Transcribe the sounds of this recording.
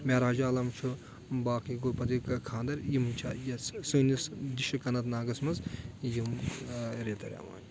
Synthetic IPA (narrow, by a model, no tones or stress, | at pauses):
mʲaːɾaːd͡ʒaːlɐmt͡ʃʰu | baːkiɡopɐt̪ikɐkʰãːnd̪ɐɾjimt͡ʃʰa̰ːjɐssɨːnisd̪iʃɐkɐnɐt̪naːɡɐsmɐzjim | ɾet̪ɐɾʲa̰ːma̰ːn